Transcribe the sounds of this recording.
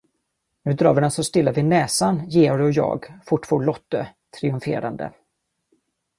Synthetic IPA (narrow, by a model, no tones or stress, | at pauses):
nʉ̟ːd̪ɾɑ̰ːvɪɖ̪ɛnsɔst̪ɪlːavɪnɛːsanjeːɔɾɔjɑ̰ːɡfʊʈːfɔːɭɔt̪ːət̪ʰɾɪɵmfḛːɾa̰nd̪ə̰